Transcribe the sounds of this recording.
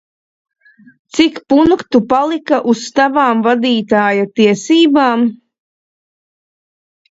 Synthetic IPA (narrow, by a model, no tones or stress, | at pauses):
t̪sikpunkt̪upalˠikaʔust̪avaːmvad̪iːt̪aːjat̪iɛsiːbaːm